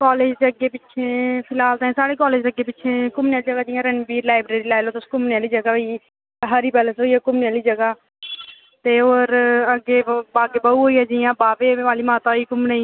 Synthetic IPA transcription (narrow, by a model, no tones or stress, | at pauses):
kɔːleːd͡ʒd͡ʒəɡeːpɪt͡ʃʰeːpʰɪlaːlt̪aẽːsaːɽeːkɔːleːd͡ʒəɡeːpɪt͡ʃʰeːkʊmnejaːliːd͡ʒəɡaːd͡ʒɪjãːɾənbiːɾlaːɪbɾeːɾiːlaːɪloːt̪ʊskʊmnjaːliːd͡ʒəɡaːbi | ɦəɾiːpɛːləsɦoːiːɛːkʊmneaːliːd͡ʒəɡaː | t̪eːoːɾəɡeːbaːɡeːbauːɦoːiːɛːd͡ʒɪjãːbaːpeːʋaːliːmaːt̪aːiːkʊmneiː